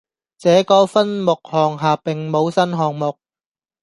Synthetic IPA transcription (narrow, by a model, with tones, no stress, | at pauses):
t͡sɛː˨˧˥kɔː˧fɐ˥nmʊ˨k̚hɔː˨ŋɦaː˨pɪ˨ŋmo˨˧wsɐ˥nɦɔː˨ŋmʊ˨k̚